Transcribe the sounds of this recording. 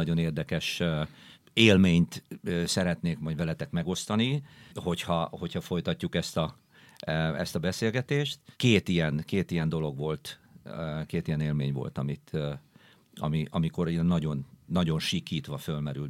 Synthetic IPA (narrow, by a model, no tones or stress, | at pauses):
ɒɟo̞neːrd̪ɛkɛʃ | eːlmeːɲt̪ːsɛɾɛt̪neːkmɒɟvɛlɛt̪ɛkmɛɡo̞st̪ɒniho̞chɒho̞chɒfo̞jt̪ɒcːukɛst̪ɒ | ɛst̪ɒbɛseːlɡɛt̪eːʃt̪keːt̪ijɛnkeːt̪ijɛnd̪o̞lo̞ɡʋo̞lt̪ː | keːt̪ijɛneːlmeːɲʋo̞̰lt̪ɒmit̪ː | ɒ̰miʔɒmiko̞ɾijɛnːɒɟo̞nːɒɟo̞nʃikːiːt̪ʋɒfølmɛɾyl